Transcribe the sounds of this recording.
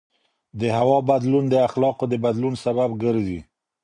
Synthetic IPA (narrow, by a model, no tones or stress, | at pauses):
d̪əhawɑbad̪lund̪əaxlɑqod̪əbad̪lunsaβabɡəɾzi